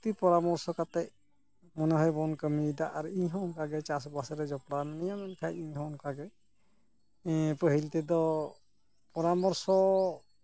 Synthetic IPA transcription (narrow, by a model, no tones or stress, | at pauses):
t̪ipɔɾamɔɾsɔkat̪ɛʔ | mɔnɛɦɔjbɔnkəmid̪aʔaɾiɲɦɔ̃nkaɡɛt͡ʃasɔbasɛɾɛd͡ʒɔpɽannijamɛnkʰajiɲɦɔ̃nkaɡɛ | pəɦilt̪ɛd̪ɔ | pɔɾamɔɾsɔ